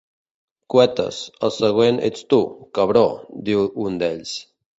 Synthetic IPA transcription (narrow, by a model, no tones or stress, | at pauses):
kwɛt̪ə̰səsəɣwenḛt͡st̪ukaβɾod̪iund̪eʎs